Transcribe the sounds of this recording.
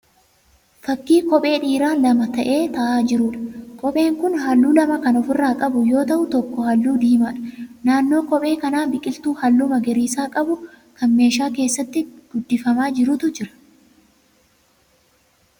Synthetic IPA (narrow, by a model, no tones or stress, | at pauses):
fɐkːiːkɔpʼe̞ːᶑiːɾaːnlɐmɐt̪ɐʔe̞ːt̪ɐʔaːd͡ʒɪɾʊᶑɐ̥kʼɔpʼe̞ːŋkʊnɦɐlːuːlɐmɐkɐnɔfɪrːaːkʼɐbʊjo̞ːt̪ɐʔʊt̪ɔkːɔhɐlːuːd̪iːmaːᶑɐ̥naːnːo̞ːkɔpʼe̞ːkɐnaːbɪkʼɪlt̪uːhɐlːʊmɐɡɛɾiːsaːkʼɐbʊ | kɐnme̞ːʃaːke̞ːsːɐt̪ːɪɡ̥ʊd̪ːɪfɐmaːd͡ʒɪɾʊt̪ʊd͡ʒɪɾɐ̥